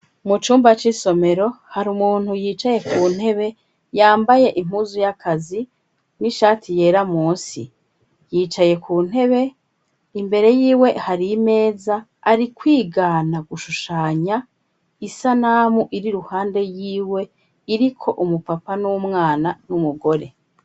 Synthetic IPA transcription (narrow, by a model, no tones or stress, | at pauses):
mut͡ʃuːmbat͡ʃiso̞me̞ɾo̞haɾumuːn̥hujiːt͡ʃaje̞kuːn̥he̞βe̞ | jaːmbaje̞ʔim̥huzujakʰazi | niʃaːtʰijeːɾamuːsḭ | jiːt͡ʃaje̞kʰuːn̥he̞βe̞ | imbe̞ɾe̞jiːwe̞haɾime̞ːzaː | ɾikwiːɡanaɡuʃuʃaːɲa | isanaːmuʔiɾiɾuhaːnde̞jiːwe̞ | iɾikʰo̞ʔumupapanumŋaːnanumuɡo̞ɾe̞